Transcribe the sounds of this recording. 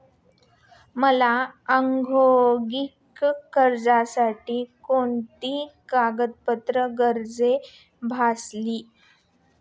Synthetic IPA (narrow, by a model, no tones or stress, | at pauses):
məlaəŋɡʱoɡikkəɾd͡zasaʈiːkoɳt̪iːkaɡət̪̚pət̪ɾəɡəɾd͡ze | bʱasliː